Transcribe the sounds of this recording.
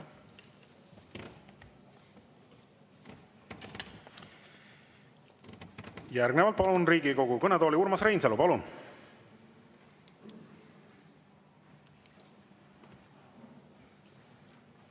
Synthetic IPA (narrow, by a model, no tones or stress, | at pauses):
jærɡnevɑlt̪̚pɑlunriːɡiko̞ɡukɤned̪oːlʲiuɾmɑsrejnselupɑlun